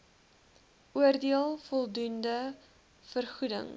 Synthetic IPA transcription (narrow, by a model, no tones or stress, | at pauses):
ʔuərdiəlˠfɔlˠdundə | fərχudə̰ŋ